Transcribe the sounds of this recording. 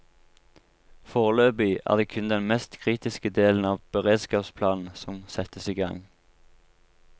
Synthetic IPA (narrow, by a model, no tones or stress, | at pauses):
foːʁəløːbyːʔæ̰ːʁd̪eːkʰʉnd̪ɛnmɛst̪kʰʁiːt̪ɪskəd̪eːln̩ɑːʋb̥əʁeːd̪skɑːpspʰlɑːnn̩sɔmsɛt̪əsiːɡɑ̰ŋ